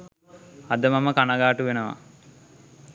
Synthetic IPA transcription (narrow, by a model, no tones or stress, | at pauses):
ad̪əmaməkanaɡaːʈuʋenəʋa̰